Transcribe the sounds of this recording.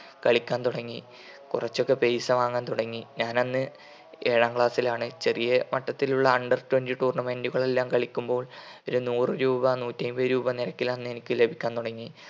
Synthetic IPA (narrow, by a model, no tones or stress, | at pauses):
kɐɭikʲːaːnt̪uɽɐŋːi | kurɐt͡ɕːo̞kːe̞pejsɐʋaːŋaːnt̪uɽɐŋːiɲaːnɐnːɨ | e̞ːɻaːŋkɭaːsilaːɳɨt͡ɕerijɐmɐʈːɐt̪ːiluɭːɐɐɳɖɐrtwendiʈuːrɳɐmeːnɖuɣɐɭe̞lːaːmkɐɭikʲːumbo̞ːɭo̞ɾunuːrɨɾuːbɐnuːtːɐjmbɐɾuːbɐniɾɐkːilɐnːe̞nikʲːɨle̞bʱikʲːaːnt̪uɽɐŋːi